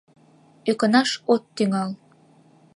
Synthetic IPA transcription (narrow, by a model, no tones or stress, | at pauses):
økɤ̆nɑʃot̪ːyŋɑl